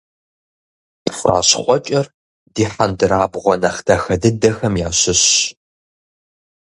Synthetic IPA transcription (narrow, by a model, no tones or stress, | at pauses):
pfʷa̰ːɕχʷʼɔt͡ʃʼɐr | diːħandɨɾaːbʁʷɔnɐχdʰɐxɐdɨdɐxɐmjaːɕɪɕ